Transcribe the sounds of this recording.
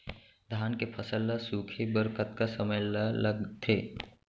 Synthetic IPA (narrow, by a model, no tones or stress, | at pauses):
d̪ʱaːnkepʰəsəlːasuːkʰebəɾkət̪kasəməjlləɡt̪ʰeː